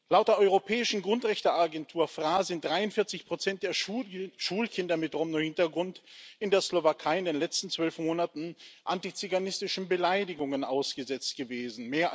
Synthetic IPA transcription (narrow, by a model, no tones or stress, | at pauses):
laʊt̚d̥eːɐʔɔʏʁopʰɛːɪʃn̩ɡʁʊntʁ̥ɛçtəaɡɛntʰuːɐfʁ̥aːzɪnt̚d̥ʁaɪʊntfɪɐt͡sɪçpʁ̥ot͡sɛnt̚d̥eːɐʃuːlkʰɪndɐmɪtʁɔmnohɪntɐɡʁʊntɪndeːɐslovakʰaɪɪndeːnlɛt͡stn̩t͡sv̥œlfmoːnatn̩ʔantit͡syɡanɪstɪʃn̩bəlaɪdɪɡʊŋənʔaʊsɡ̥əzɛt͡st̚ɡ̥əveːzn̩meːɐ